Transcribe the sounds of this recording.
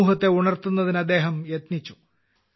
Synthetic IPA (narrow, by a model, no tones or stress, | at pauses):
uːɦɐt̪ːe̞uɳɐrt̪unːɐðinɐd̪ːe̞ːɦɐmjɐt̪nit͡ɕːu̥